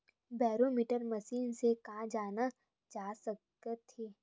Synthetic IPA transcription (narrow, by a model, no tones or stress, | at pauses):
bɛːɾomiːʈəɾmɐsiːnsekãːd͡ʒaːna | d͡ʒaːsək | ət̪eː